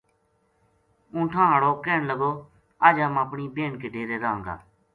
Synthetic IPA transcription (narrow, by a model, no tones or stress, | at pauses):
ũːʈʰãːɦəɽoːkeːɳləɡoː | aːd͡ʒãːmaːpɳiːbeːɳkeːɖeːɾeːd̪ãːɦə̃ŋɡ̪a̰ː